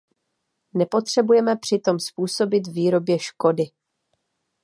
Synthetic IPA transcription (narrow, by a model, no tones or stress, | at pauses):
nɛpo̞t̪r̝̥ɛbujɛmɛpr̝̥ɪt̪o̞mspuːso̞bɪt̪viːɾo̞bjɛʃko̞dɪ